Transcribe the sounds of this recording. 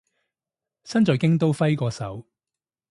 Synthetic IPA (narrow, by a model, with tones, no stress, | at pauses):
sɐ˥nt͡sɔː˨jkɪ˥ŋt̪o˥wfɐ˥jkɔː˧sɐ̰˨˥w